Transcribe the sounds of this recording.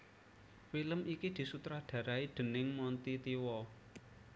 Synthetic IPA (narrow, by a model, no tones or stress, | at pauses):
filəmʔikid̪̥i̤sut̪ɾaɖ̪̥ä̤ɾaid̪̥ə̤nɪŋmɔnt̪it̪iwɔ